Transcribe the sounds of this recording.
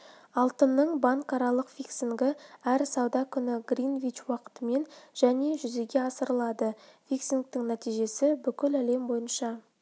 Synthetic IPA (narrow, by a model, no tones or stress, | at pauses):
ɑlˠt̪ənːəɴbɑŋkɑɾɑlˠəqfiksiŋɡɪæɾsɑwd̪ɑkʲʰʏnɪɡrinvʲit͡ʃwɑqə̥t̪əme̞nʒ̥æne̞ʒʏze̞ɡʲe̞ɑsəɾəlˠɑd̪əfiksiŋk̚t̪ɪŋnæt̪ijʒe̞sɪbʏkʲɪlæle̞mbo̞jənʃɑ